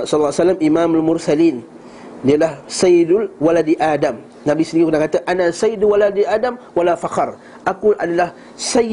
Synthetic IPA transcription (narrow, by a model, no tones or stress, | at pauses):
sɔllsalːamʔimãmalmʊrsalin | dialahsajɪdʊlwaladiʔadam | nabisənikukunahkat̪aʔanasajɪdwaladiʔadamwalafaxɑr | ʔakulʔadalah | sa